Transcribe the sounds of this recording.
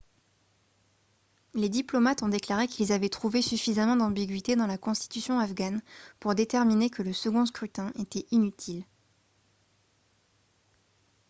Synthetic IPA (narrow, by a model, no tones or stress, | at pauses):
led̪iplɔmat̪ɔ̃d̪eklaʁekʲilzavɛt̪χuvesyfizamɑ̃d̪ɑ̃biɡʲɥit̪ed̪ɑ̃lakɔ̃st̪i̥t̪ysjɔ̃afɡanpuʁd̪et̪ɛʁminekʰələsəɡɔ̃s̬kχyt̪ɛ̃ʔet̪ɛʔinyt̪ʰil